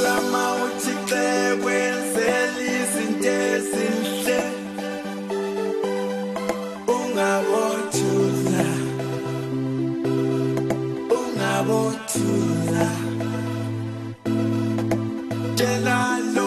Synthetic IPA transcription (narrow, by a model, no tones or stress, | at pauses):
lamautʰiǀɛk̬wɛnd͡zʱɛlizintʼeziːnɬɛ | uŋaɓotʰula | uŋaɓotʰula | tʼɛlalɔ